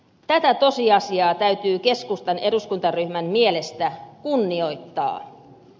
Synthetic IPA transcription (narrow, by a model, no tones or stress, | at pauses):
t̪æt̪æt̪o̞siɑsiɑːt̪æyɥt̪yːke̞skust̪ɑne̞ɾuskunt̪ɑryhmæmːiele̞st̪ækunːio̞jt̪ːɑ̰ː